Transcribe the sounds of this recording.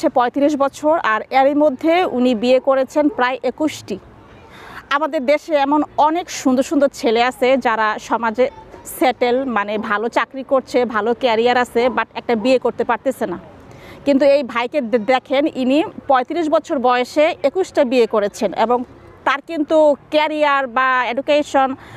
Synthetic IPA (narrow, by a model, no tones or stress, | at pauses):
epɔet̪iɾiʃ̬bɔt͡ɕʰoɾaɾeɾimod̪ʱːeṵnibiekoɾet͡ɕʰenpɾaeʔekuʃʈi | amad̪eɾd̪eʃeɛmonɔnekʃund̪oɾʃund̪oɾt͡ɕʰeleasʰed͡ʑaɾaʃɔmad͡ʑeseʈelmanebʱalot͡ɕakɾikoɾt͡ɕʰebʱalokɛɾiaɾasebaʈɛk̚ʈabiekoɾt̪epaɾt̪esʰena | kint̪̬uejbʱajked̪ɛkʰeninipɔet̪iɾiʃ̬bɔt͡ɕʰoɾbɔeeʃeekuʃʈabiekoɾet͡ɕʰenḛboŋ | t̪aɾkint̪ukɛɾiaɾbaeɖukeʃon